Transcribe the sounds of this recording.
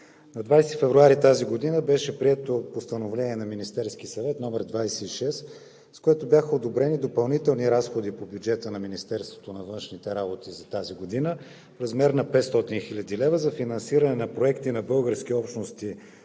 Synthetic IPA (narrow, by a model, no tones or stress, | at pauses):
nɐd̪vajsifɛvɾuaɾit̪aziɡod̪inəbɛʃɛpɾiɛt̪opost̪ɐnovlʲɛnʲiɛnɐminist̪ɛɾskʲisɐvɛt̪nɔmɛɾd̪vajsɛiʃɛs | skoɛt̪objaxəod̪obɾɛnid̪opɐlˠnit̪ɛlˠniɾasxod̪ipobjud͡ʒɛt̪ənɐminist̪ɛɾst̪vo̥t̪onɐvɤnʃnit̪ɛɾabot̪izɐt̪aziɡod̪inə | fɾɐzmɛɾnɐpɛt̪st̪ɔt̪inxilʲɐd̪ilɛvəzɐfinɐnsiɾənɛnɐpɾoɛkt̪inɐbɤlˠɡəɾsk̟iɔpʃnost̪i